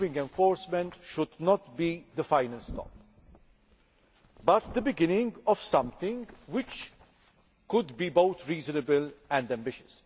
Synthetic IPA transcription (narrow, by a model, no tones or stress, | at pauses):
vɪ̃ŋɡɛ̃ɱfɔːɾsmɛ̃ntʃʊd̪nɔt̪bid̪əfaɪnəlst̪ʰɔ̰p̚ | bʌt̪̚d̪əbɪɡɪnɪ̃ŋɡɔv̥sʌ̃mt̪ɪ̃ŋwɪt͡ʃ | kʊd̪biboʊt̪ʰɾiːzənəbəlɛ̃ndæ̃mbɪʃɨ̥s